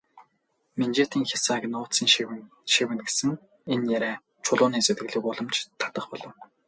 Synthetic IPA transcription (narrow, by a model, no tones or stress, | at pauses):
ment͡ɕeːt̪iːŋxʲasaɡ̆ʲnʊːt̪siːŋ | ʃiwmɘ̆t̪̚ɡe̥sɘ̆ŋ | enjæɾæː | t͡ɕʰʊɮʊːniːset̪ɡɘ̆ɮĭːkʊɮə̆mt͡ɕt̪ʰḁt̪ə̆χpɔɮɞ̆w